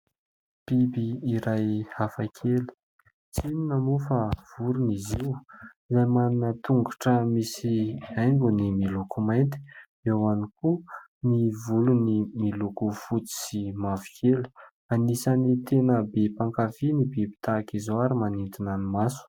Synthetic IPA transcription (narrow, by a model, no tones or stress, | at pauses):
b̥ibiːɾajhafakʰeli̥ | t͡sininamufav̥uɾuniziwizajmaninət̪uŋɡaʈ͡ʂəmisiajŋɡunimilukumajnt̪i̥ | ewaniku | nivulunimilukufut͡si̥simavi̥kʰelu̥ | anisanit̪enəbepaŋkafinibibi̥t̪akizoaɾimanint̪inanimasu̥